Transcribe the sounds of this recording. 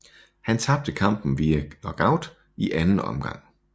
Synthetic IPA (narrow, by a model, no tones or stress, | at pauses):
hænt͡sʰɑ̈b̥̚d̥əkʰɑ̈m̰b̥n̩ʋiænɒɡ̥ɑʊd̥ | iʔænn̩ɒ̽mɡ̥ɑ̈ŋ̰